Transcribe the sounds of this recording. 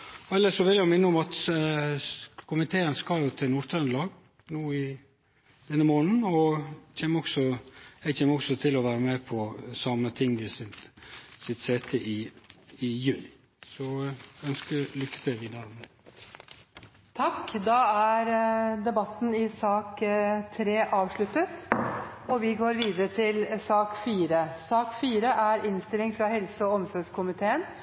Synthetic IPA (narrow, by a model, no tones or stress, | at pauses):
ɛlːəʂɔʋɪljæmɪnːəʊmɑt̪ | kʰʊmɪt̪ʰeːənskɑjʊt̪ʰɪlnuɾt̪ʰɾɑnlɑːɡ | nuːɪ | d̪̥ɛnːəmoːnn̩ɔc͡çʰeːməɔksɔɛɡçʰeːməɔksɔt̪ʰɪlɔʋæːɾəmɛpʰɔsɑmət̪ʰɪŋːʋɪsɪt̪sɪt̪seːt̪ʰɛʔɪɪjʉːnɪ | sɔœnskəlʏkːə̥t̪ʰɪlʋiːd̪əɾmɛ | t̪ʰɑkːd̪ɑæɾd̪ɛbɑt̪ːn̩ɪsɑːkt̪ʰɾeːʔɑːʋʂɭʉt̪ət̪ | ɔʋɪɡoːɾʋiːd̪əɾət̪ʰɪlsɑːkfiːɾəsɑːkfiːɾəʔæɾɪnst̪ɪlɪŋfɾɑhɛlsəɔɔmsɔɾɡskʰʊmɪt̪ʰeːən